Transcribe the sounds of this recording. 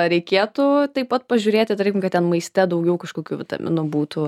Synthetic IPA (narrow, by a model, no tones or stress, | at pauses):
ɾʲɛɪkʲeːt̪ʊt̪ɐɪpɐt̪̚pɐʒʲʊːɾʲeːt̪ʲɪt̪ɾɛɪkʲɪmkɐt̪tʲɛnmɐɪsʲt̪ʲɛd̪ɐʊɡʲɛʊkɐʃkoːkʲuːʋʲɪt̪ɐ̰mʲɪ̰nʊbuːt̪ʊ